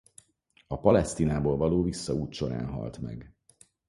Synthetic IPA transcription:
ɒpɒlɛst̪iːnaːboːlvɒloːvisːɒuːt̪ʃo̞ɾa̰ːnɦɒ̰lt̪mɛ̰ɡ

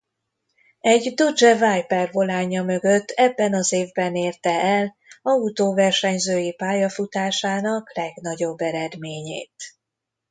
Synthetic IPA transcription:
ɛɟd̪od͡ʒɛvaːjpɛrvo̞laːɲɒmø̞ɡø̞t̪ːɛbːɛnɒzeːvbɛneːrt̪ɛʔɛl | ɒut̪oːvɛrʃɛɲzøːjipaːjɒfut̪aːʃaːnɒklɛɡnɒɟo̞bːɛɾɛd̪meːɲḛːt̪

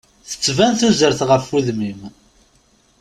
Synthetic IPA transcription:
θə̥t͡sːvænθuzəɾθʁəfuðmim

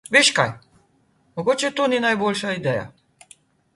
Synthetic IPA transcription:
ʋeːʃka̰j | mɔɡoːt͡ʃɛt̪oːninajboːlʃaid̪ɛːja̰

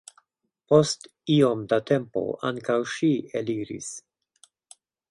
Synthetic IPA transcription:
po̞stio̞md̪at̪e̞mpo̞̰ʔa̰ŋkawʃieliɾḭs

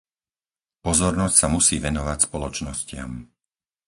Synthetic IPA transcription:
pɔzɔɾnɔscsamusiːʋɛnɔʋacspɔlɔt͡ʃnɔscɪa̰m

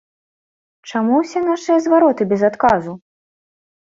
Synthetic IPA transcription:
t͡ʂamuwsʲɛnaʂɨjɐzvaɾɔt̪ɨbʲɛzat̪kazu

